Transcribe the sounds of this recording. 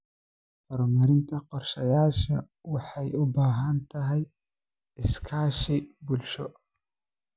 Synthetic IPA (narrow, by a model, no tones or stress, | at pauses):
hɔɾmɐɾɪnt̪ʰɐqɔrʃɐjaːʃɐ̰ | wɑħɑjʊbaːɦɐnt̪ʰɐɦɛj | ɪskʰaːʃɪbʊlʃɔ